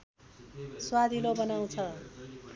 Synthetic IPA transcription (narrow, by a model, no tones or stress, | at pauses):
swad̪ʱilobʌnaw̃t͡sʰʌ